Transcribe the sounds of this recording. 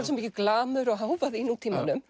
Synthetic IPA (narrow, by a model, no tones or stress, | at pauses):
nsɛmiːcɪklaːmʏɾɔɣɦaːwvaðinut̪ʰiːmanʏm